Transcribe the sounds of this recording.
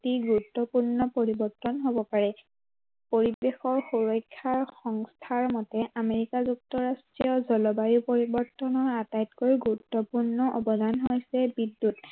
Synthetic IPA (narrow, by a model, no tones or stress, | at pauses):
tiɡuutːɔpuɹnɔpoɹibɔɹtːɔnɦobɔpaɹɛ | poɹibexɔɹxuɹɔjkʰːaɹxɔŋstʰaɹmɔtɛʔameɹikazuk̚tɔɹastɹijɔzɔlɔbaɹipoɹibɔɹtɔnɔɹatajtkoɹiɡuɹutːɔpuɹnɔʔɔbɔdanɦojsɛbidːut